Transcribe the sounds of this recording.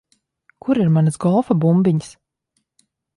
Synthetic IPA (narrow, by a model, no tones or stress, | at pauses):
kʰuɾiɾmanɨsɡɔlˠfabumbiɲs